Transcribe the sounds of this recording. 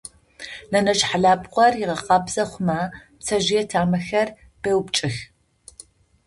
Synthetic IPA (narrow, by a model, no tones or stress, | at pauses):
nɐnɐʒħaɮaːbqʷɔrjɪʁɐqʼɐbzɐχʷʊmaːpt͡sʰɐʒɪjɛtʰaːmɐxɐr | b̥ewpt͡ʃʼɪx